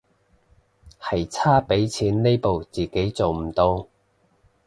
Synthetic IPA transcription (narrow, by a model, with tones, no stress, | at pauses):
hɐ˨jt͡sʰaː˥pe˨˥jt͡sʰiː˨˥nːe˥jpo˨wt͡siː˨˩ke˨˥jt͡so˨wm̩˨˩t̪o˧w